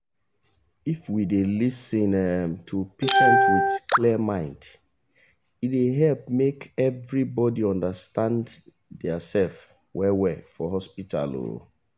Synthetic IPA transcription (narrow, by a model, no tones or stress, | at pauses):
ifwidelisĩnɛmtʰupeʃɛ̃ntwitkʰliəmãɪ̃nd | ideɦɛlp̚mekɛvɹibɔdiɔ̃ndəstãnd | dɛasɛlf | wʔɛwɛfɔɦɔspitʰa̰lo̰